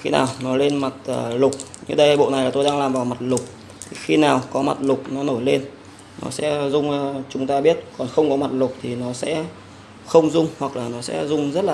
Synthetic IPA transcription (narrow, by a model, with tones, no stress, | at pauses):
xḭ˧na̰ː˨˩wnɔ˨˦jle˧nma˨˩t̚ʔəː˨˩lʊ˨˩k͡p̚ɲɨ̰˧ɗə˧jɓo̰˧˨ʔna˨˩jlaː˨˩t̪o˧jɗaː˧ŋlaː˨˩mvaː˨˩wma˨˩t̚lʊ˨˩k͡p̚ | t̪ʰi˨˩xi˧naː˨˩wkɔ˨˦ma˨˩t̚lʊ˨˩k͡p̚nɔ˨˦no˧˩jle˧nː | ɔ̰˨˦sɛ̰˧˥zʊ˧ŋ͡mt͡ɕʊ˨˦ŋ͡mt̪aː˧ɓi˦˥ət̚kɔ˨˩nxə˧wŋ͡mkɔ˨˦ma˨˩t̚lʊ˨˩k͡p̚t̪ʰi˨˩nɔ˨˦sɛ̰˧˥ | xə˧wŋ͡mzʊ˧ŋ͡mhwa˨˩k̚laː˨˩nɔ˨˦sɛ̰˧˥zʊ˧ŋ͡mzə˦˥t̚laː˨˩